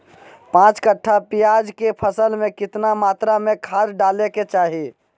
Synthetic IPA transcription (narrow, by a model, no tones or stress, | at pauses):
pãt͡ʃkəʈʰːapijad͡ʒkepʰəsəlmẽkɪt̪namat̪ɾamekʰaɾɖaleket͡ʃaːɦi